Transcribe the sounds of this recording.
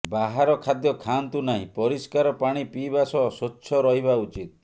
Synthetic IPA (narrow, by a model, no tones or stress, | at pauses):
baɦaɾɔkʰad̪jɔkʰant̪unaɦḭ̃pɔɾiskaɾɔpaɽ̃ipibasɔsotːʃʰɔɾɔɦibaut͡ʃit̪